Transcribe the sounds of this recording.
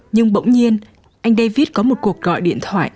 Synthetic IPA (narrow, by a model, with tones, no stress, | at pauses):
ɲɨ˧ŋɓə̰˧˨wŋ͡mɲi˧ən | ʔa˧jŋ̟ɗə˧jvi˦˥ət̚kɔ˨˦mo˨˩t̚ku˨˩ək̚ɣɔ̰˧˨jɗḭ˧˨ənt̪ʰwa̰ː˧˨j